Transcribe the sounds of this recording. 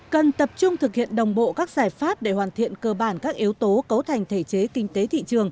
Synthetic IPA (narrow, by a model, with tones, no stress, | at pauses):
kə˨˩nt̪ə˨˩p̚t͡ɕʊ˧ŋ͡mt̪ʰɨ˨˩k̚hḭ˧˨ənɗə˨˩wŋ͡mɓo̰˧˨kaː˦˥k̚zaː˧˩jfaː˦˥p̚ɗe˧˩hwaː˨˩nt̪ʰḭ˧˨ənkəː˧ɓaː˧˩nkaː˦˥k̚ʔi˨˦əwt̪o˨˦kə˨˦wt̪ʰa˨˩jŋ̟t̪ʰe˧˩t͡ɕe˨˦kï˧ŋ̟t̪e˨˦t̪ʰḭ˧˨t͡ɕɨ˨˩əŋ